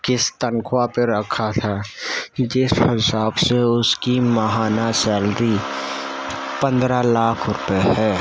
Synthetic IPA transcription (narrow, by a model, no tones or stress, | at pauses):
kɪst̪əŋkʰʊwapeɾəkʰat̪ʰa | d͡ʒɪshɪsaːbseʊskiməɦaːnat͡ʃəld̪i | pə̃nd̪ɾalaːkʰɾʊpeɦɛː